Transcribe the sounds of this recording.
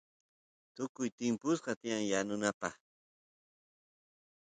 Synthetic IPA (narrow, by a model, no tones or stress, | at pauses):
t̪ʊkʊjt̪ɪmpʊsɢɑt̪ɪjaŋjanʊnapɑ̰χ